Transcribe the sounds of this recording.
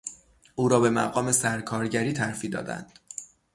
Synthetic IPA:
uːɾɒːbe̞mæ̰ɣɒːme̞sæɾkʰɒːɾɟæɾiːt̪ʰæɾfiːd̪ɒ̰ːd̪æ̰nd̪̥

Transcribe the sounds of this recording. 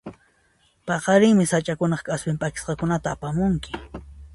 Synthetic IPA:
pɑqɑɾɪŋmɪsat͡ʃʼakʊnɑχkaspɪmpakɪ̥sqɑkʊnat̪aːpamʊŋkɪ̥

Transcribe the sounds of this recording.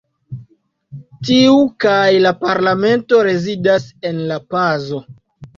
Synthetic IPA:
tiukajlapaɾlame̞nto̞ɾe̞zidase̞nlapazo̞

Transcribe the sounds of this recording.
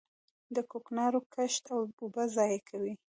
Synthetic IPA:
d̪əkoknɑɾokaʃt̪awbubazɑjekʰawi

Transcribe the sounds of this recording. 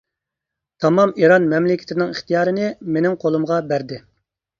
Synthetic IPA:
t̪ʰɑmɑmiɾɑnmɛmlɪkʲʰɪ̥t̪ʰɪnɪŋiχt̪ijɑːɾɨnɪmenɪŋqʰolˠumʁɑbæɾd̪ɪ

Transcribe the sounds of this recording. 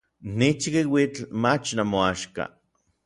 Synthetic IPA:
nit͡ʃikiwit͡ɬmat͡ʃnamoaʃka̰

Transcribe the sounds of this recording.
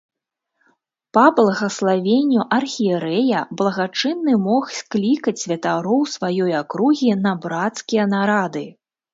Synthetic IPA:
pɐblˠɐɣɐslˠavʲenʲːuʔɐrxʲiɛɾɛjɐblˠɐɣat͡ʂɨnːɨmɔxsʲklʲikɐt͡sʲsʲvʲɐt̪aɾɔwsvajɔjakɾuɣʲin̪ɐbɾat̪skʲijɐnaɾad̪ɨ

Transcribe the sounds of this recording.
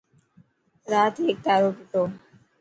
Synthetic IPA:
ɾaːt̪ʰeːk̚t̪aːɾopɪt̪oː

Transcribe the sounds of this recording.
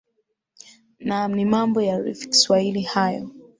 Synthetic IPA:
nam̩nimambɔjaɾifi̥ki̥swahilihajɔ̰

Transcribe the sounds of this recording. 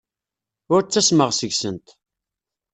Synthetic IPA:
ʊɾt͡sːæsməʁsəʝsənt̪

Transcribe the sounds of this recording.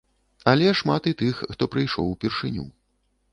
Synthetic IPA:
ɐlʲɛʂmat̪it̪ɨxːt̪ɔpɾɨjʂɔ̰wupʲirʂɨnʲṵ

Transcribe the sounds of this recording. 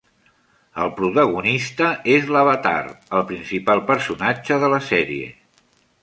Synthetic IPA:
əlˠpɾut̪əɣunist̪əezləβət̪a̰rəlˠpɾinsipalˠpəɾsunad͡ʒəðələsɛɾiḛ

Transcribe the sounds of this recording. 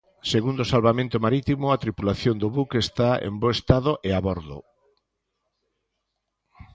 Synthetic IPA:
seɣund̪osalβamẽnt̪ʊmaɾit̪imʊat̪ɾipulaθjond̪oβukest̪aḛmboest̪aðoʔeaβɔɾðʊ̰

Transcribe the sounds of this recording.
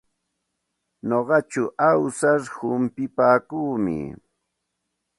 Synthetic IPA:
noɢɑt͡ʃʊʔawsaɾhʊmpɪpaːkuːmɪ̰

